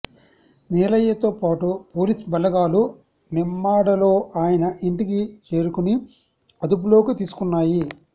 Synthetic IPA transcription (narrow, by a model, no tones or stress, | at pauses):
nɛːlɐjɐt̪oːpaːʈupo̞ːlisbɐlɐɡaːlu | nimːaːɽɐlo̞ːʔaːjɐnɐʔiɳʈikit͡ʃe̞ːɾukuni | ɐd̪up̬ulo̞ːkit̪iːsu̥kunːaːji